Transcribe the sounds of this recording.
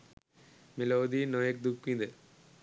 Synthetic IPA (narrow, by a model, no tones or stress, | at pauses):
meloːd̪inoːjek̚d̪ukːind̪e